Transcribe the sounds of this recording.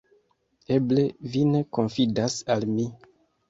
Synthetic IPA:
eble̞vine̞ko̞nfidasalmi

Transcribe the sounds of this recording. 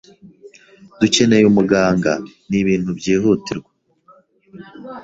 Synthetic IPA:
d̥uce̞ne̞jumuɡaːŋɡaniβiːn̥hubɟiːɦutiɾɡwa

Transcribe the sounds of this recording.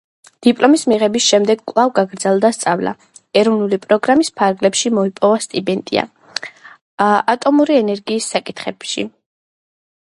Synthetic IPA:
d̪̥ipʼlˠɔmismiʁɛbisʃɛmd̪ɛɡkʼlˠavɡaɡɾd̪zɛlˠd̪ast̪sʼavla̰ | ɛɾɔvnulipʼɾɔɡɾamispʰaɾɡlɛpʃimɔipʼɔvast̪ʼibɛnt̪ʼḭa̰ | at̪ʼɔmuɾiɛnɛɾɡiːsːakʼit̪ʰχɛbʃḭ

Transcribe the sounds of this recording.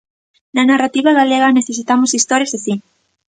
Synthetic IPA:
nanarat̪iβaɣ̞aleɣaneθesit̪amosist̪oɾjazðesi

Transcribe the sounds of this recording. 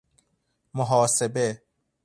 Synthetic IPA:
moɦɒːsebe

